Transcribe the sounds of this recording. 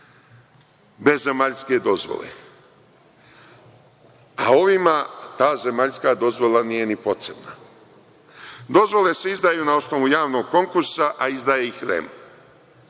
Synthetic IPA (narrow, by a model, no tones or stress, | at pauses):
be̞zːe̞maʎske̞d̪o̞zʋo̰lḛ | ao̞ʋimat̪aːze̞maʎskaːd̪o̞zʋo̞lˠanije̞nipo̞t̪ɾe̞bna | d̪o̞zʋo̞le̞seizd̪aːjuːnao̞sno̞ʋujaːʋno̞ɡ̚ko̞ŋkuɾsaʔaizd̪aːjeixɾḛmu